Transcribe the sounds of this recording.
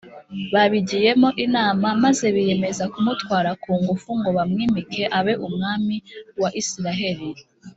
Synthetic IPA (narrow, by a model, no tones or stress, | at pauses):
βaβiɟije̞mo̞ʔinaːmamaze̞βije̞me̞zakumutwaːɾakuːŋɡufuŋɡo̞βamŋiːmikʰe̞ʔaβe̞ʔumŋaːmiwaʔisiɾaɦe̞ɾi